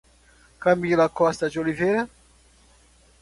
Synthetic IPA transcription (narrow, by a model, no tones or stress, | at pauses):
kamilakɔst̪ad͡ʒoliveɾa